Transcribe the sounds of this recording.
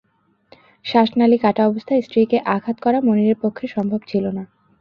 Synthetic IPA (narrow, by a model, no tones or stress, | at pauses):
ʃaʃnalikaʈaɔbost̪ʰaesʈɾikeʔakʰat̪kɔɾamoniɾeɾpokʰːeʃɔmbʱobt͡ɕʰilona